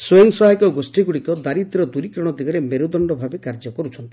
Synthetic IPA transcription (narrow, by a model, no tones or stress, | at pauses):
soeŋsɔɦajkɔɡosʈiɡuɽikɔd̪aɾit̪ɾɔd̪uɾikɾɔɽ̃ɔd̪iɡɔɾemeɾud̪ɔɳɖɔbʱabekaɾd͡ʒɔkɔɾut͡ʃʰɔnt̪i̥